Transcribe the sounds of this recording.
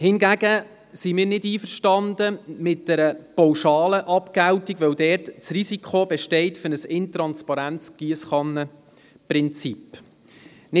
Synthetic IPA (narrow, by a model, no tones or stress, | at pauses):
hɪnɡæɡ̥ə | simɪːɾnɪdiːfəɾʃtɑndəmɪt̚d̥ɛɾəpɔwʃɑːləʔɑpkæwtiɡʋœwdɛːrtt͡srisikχobɛʃtɛɪtfʏɾnəsɪntɾɑnspɑɾænt͡sɡ̥iəsχɑnə | prɪnt͡sip | nɪ